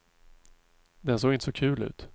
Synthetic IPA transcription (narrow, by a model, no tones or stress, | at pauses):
d̪ɛns̬oːɡɪnt̪əsɔkʰʉ̟ːlʉ̟̰ːt̪